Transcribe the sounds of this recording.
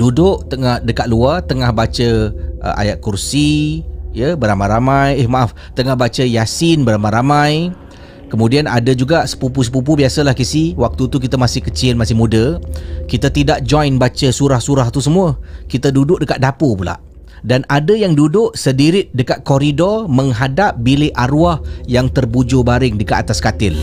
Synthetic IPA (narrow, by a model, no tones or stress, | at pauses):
dudʊʔt̪əŋahdəkat̪̚luat̪əŋahbat͡ʃəə̰a̰jaʔ̪̚kursijəbəɾamajɾamajehmaʔaf | t̪əŋahbat͡ʃəjasɪnbəɾamajɾamãj | kəmudianʔa̰dəd͡ʒuɡaʔsə̥pupus̬ə̥pup̬ubiasəlahkisiwak̚t̪ut̪uk̬it̪amasɪhkət͡ʃiɪnmasɪhmudəkit̪at̪idaʔ̚d͡ʒɔjnbat͡ʃəsuɾahsuɾaht̪usəmuəkit̪adudʊʔ̚dəkat̪̚dapopula̰ʔ | danadəjaŋdudʊʔsədiɾɪt̪̚dəkat̪̚kɔɾidɔrməŋɦadap̚bilɪʔaɾuahjaŋt̪ərbud͡ʒobaɾɪŋdəkaat̪askat̪ɪl